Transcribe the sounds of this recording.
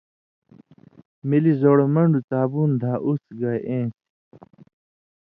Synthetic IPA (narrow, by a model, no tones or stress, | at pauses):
milizoːɽomɐɳɖut͡saːbuːnd̪ʱaːʔusɡajʔẽː